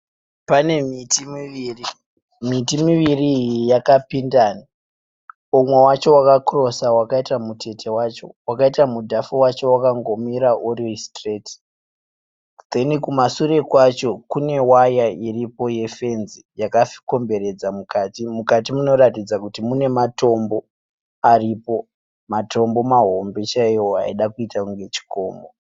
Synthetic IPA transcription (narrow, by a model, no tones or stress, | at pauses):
pane̞mitimiʋiːri | mitimiʋiriːjijakapindaːni | omwewat͡ʃo̞wakakro̞sawakaitamutʰe̞tʰe̞wat͡ʃo̞wakaitamudʱafuwat͡ʃo̞wakaŋɡo̞miɾaʔuristreti̥ | d̪e̞nikumasure̞kwat͡ʃo̞kune̞wajairipo̞je̞fe̞nzijakafi̥ko̞mbe̞ɾe̞d͡zamukaːtimukatimuno̞ratid͡zakutimune̞mato̞mbo̞ | aripo̞ | mato̞mbo̞maɦo̞mbe̞t͡ʃaijoa̰iɗakuitakuŋɡe̞t͡ʃi̥ko̞̰ːmbo